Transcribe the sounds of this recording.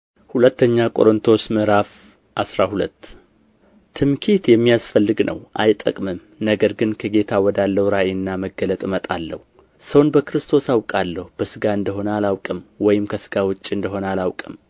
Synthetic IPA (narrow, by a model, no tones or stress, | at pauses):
hulət̪ːəɲːakʼo̞̰ɾɨnt̪ʰo̞smɨɾaf | ʔasɾahulət̪ː | ɨmkʰit̪jɛmːijasfəlːɨɡnʔə̰wʔa̰jt̪ʼːə̰kʼmɨm | nəɡəɾɡɨnkʰəɡe̞t̪ʰawɔd̪alːəhuɾaʔenːaməɡːələt̪ʼmət̪ʼalːə̰hu | səwnbəkɾɨst̪ʰo̞sawkʼalːəhub̥əsɨɡaɨnd̪əɦo̞nəalawkʼɨmwɔjɪmkʰəsɨɡawɨt͡ʃʼːɨnd̪əɦo̞nəalawkʼɨm